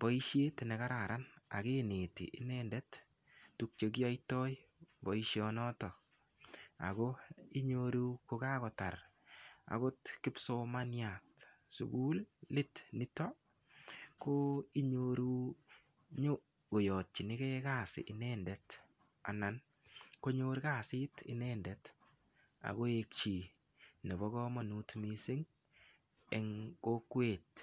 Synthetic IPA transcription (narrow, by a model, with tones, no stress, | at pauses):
bɔ˦i˦ʃje˦tenɛ˨ka˦ɾa˨ɾʔa˦na̰˨ke˦ne˨tḭ˨ʔi˦nɛndɛ˦t | tu˦k̚t͡ʃe˧k̬i˦a˦jtɔ˦j | bɔ˨iʃjɔnɔ˦tɔ˨ | a̰˨ko˦i˦ɲo˧ɾu˦ko˧ka˦kɔ˨ta˨r | a̰˨ko˦tkɪ˦pso˦manja˨tsṵ˨ɡu˦llɪ˦tnɪ˦tɔ˦ | ko˦i˦ɲoɾu˦ | ɲo˦ | ko˨jɔ˨t̚t͡ʃi˨nɪ˦kɛ˦ka˦sɪ̰˨ʔɪ˨nɛ˦ndɛt | a̰˨na˨n | ko˦ɲo˦ɾka˨sɪ˦tɪ˦nɛndɛt | a̰˨ɣo˦e˨k̚t͡ʃi˨ | ne˨bɔ˦kɔ˦ma˨nutmisi˦ŋ | ɛ̰˨ŋko˦kwe˨t